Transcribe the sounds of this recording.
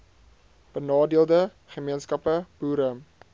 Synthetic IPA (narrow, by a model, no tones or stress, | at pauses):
b̥ənɑːdiəlˠdə | χəmiənskɐpəb̥uːɾəm